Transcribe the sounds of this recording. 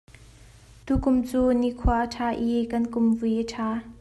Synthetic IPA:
t̪ukʊmt͡suːniʔkʰuaʔətʰaːʔikɐnkʊmvujʔəʈʰaː

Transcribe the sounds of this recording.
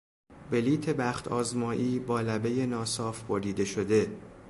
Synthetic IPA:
be̞liːt̪ʰe̞bæːxt̪ʰɒːzmɒːʔiːbɒːlæbe̞je̞nɒːsɒːfboɾiːd̪e̞ʃo̞d̪e̞

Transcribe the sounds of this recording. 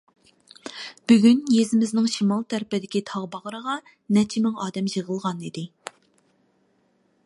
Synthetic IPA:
b̥yɡʲynjezɪmɪznɪŋʃimɑlˠt̪ʰæɾpɪd̪ɪkʲit̪ʰɑʁbɑʁɾəʁɑ | nɛt͡ʃʰimɪŋɑːd̪ɛmʒəʁəlˠʁɑnid̪ɪ

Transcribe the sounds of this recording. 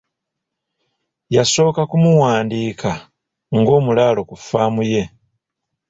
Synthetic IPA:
jaso̞ːkakumuwaːndiːkʰa | ŋɡo̞ːmulaːlo̞kufaːmuje̞

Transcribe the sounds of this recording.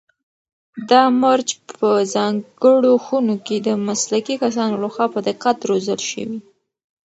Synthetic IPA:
d̪ɑmaɾt͡ʃpəzɑŋɡəɽoxunoked̪əmaslakikas̬ɑnolaxwɑpəd̪ɪqat̪ɾozəlʃə̰wi

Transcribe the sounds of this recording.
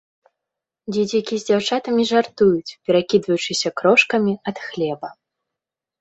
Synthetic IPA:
d͡zʲɛd͡zʲakʲizʲd͡zʲawt͡ʂat̪ɐmʲiʐart̪ujut͡sʲpʲɛɾakʲid̪vɐjut͡ʂɨsʲɐkɾɔʂkɐmʲiɐt̪xlʲɛbɐ

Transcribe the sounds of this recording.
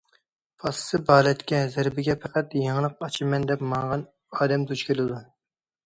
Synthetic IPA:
pʰɑssɨbɑːlˠɛt̪kʲɛzæɾbɪɡʲɛpʰæqæt̪jeŋlˠəq̚ɑt͡ʃʰimɛnd̪ɛpmɑŋʁɑn | ɑːd̪ɛmt̪ʰut͡ʃkʲelɨd̪u

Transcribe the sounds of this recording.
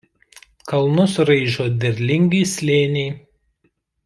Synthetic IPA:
kɐlˠnʊsɾɐɪʒoːd̪ʲɛɾʲlʲɪŋʲɡʲiːsʲlʲeːnʲɛː

